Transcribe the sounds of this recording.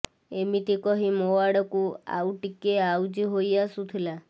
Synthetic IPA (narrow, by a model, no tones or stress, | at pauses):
emit̪ikɔɦimowaɽɔkua̰wʈikeawd͡ʒiɦojasut̪ʰila